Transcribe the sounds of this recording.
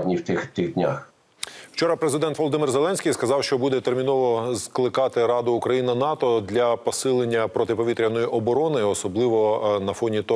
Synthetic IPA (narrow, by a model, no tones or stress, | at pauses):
nʲiwt̪ɪxt̪ɪɣd̪ʲnʲa̰x | wt͡ʃɔɾɐpɾezɪd̪ɛnt̪ʋɔlˠɔd̪ɪmɪrzelˠɛnʲsʲkʲijskɐzɑwʃt͡ʃɔbud̪ɛt̪ermʲinɔʋɔzklˠɪkɑt̪ɪɾɑd̪ʊːkɾɐjinɐnɑt̪ɔd̪lʲɐpɔsɪlˠenʲːɐpɾɔt̪ɪpɔʋʲit̪ɾʲɐnɔjiʔɔbɔɾɔnɪɔsɔblˠɪʋɔnɐfɔnʲit̪ɔ